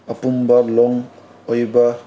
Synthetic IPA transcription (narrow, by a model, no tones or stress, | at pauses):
apumbalɔŋ | ojba